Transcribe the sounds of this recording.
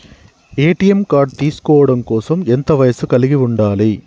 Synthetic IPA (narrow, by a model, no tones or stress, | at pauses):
eːʈːɪjɛmkaːɖ̚t̪iːskoːɽɐmkoːsɐmɛnd̪ɐʋɐjɐsɯkɐɭɪɣiʊɳɖaːlɐɪ